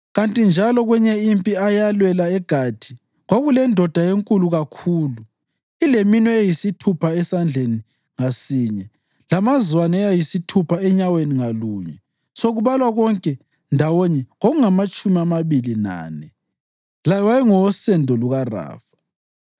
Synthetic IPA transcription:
ɣantʼind͡ʒʱalɔɣwɛɲɛimpʼiajalwɛlaɛɡ̥ʱad̥ʱi | ɣwoɣulɛndʱɔd̥ʱajeŋkʼuluɣakʰuːlu | ileminwɛejisitʰupʰaɛsand͡ɮʱeni | ŋasiːɲɛ | lamazwanajajisitʰupʰaɛɲaweniŋaluːɲɛ | soɣuβalwaɣɔŋkʼɛ | ndʱawɔɲɛŋoɣuŋamat͡ʃʼumiamaβilina̰ːnɛ | lajɔwajɛŋɔɔsɛndʱɔluɣara̰ːfḁ

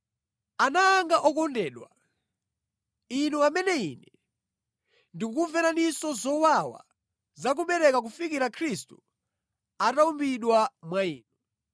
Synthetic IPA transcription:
anaːŋɡaʔɔkɔndɛːɗwa̰ | inuamɛnɛḭːnɛ | ndik̬uvɛnanisɔzɔwawa̰ | zak̬uɓɛɾɛkak̬ufikiɾakʰɾistṵ | ataumbiɗwamwaiːnu

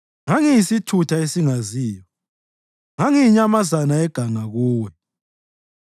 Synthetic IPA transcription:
ŋaŋijisitʰutʰaesiŋaziːjɔ | ŋaŋiiɲamazanaɛɡ̥ʱaŋaɣuːwɛ

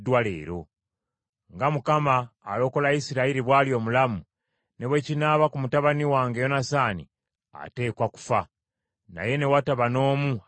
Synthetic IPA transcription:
dwale̞̰ːɾo̞̰ | ŋɡamukamaːlo̞ko̞laisiɾaiɾiβwaːljo̞ːmulamu | ne̞βwe̞cinaβakumutaβaniwaːŋɡe̞jo̞nasaːnḭ | a̰te̞ːkwaku̥fa | na̰je̞ne̞wataβano̞ːmu

